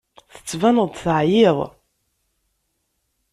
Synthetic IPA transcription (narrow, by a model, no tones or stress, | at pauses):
θə̥t͡sːvænəðθəʕjɪðˤ